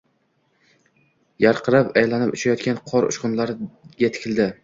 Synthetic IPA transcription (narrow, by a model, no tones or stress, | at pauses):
jaɾqʰɨɾapajlanɪpɪt͡ʃʰajɒt̪̚kʲanqʰɒɾʊ̰ʃqʊnlaɾɡʲat̪ʰɪ̥kʲʰɪld̪ɪ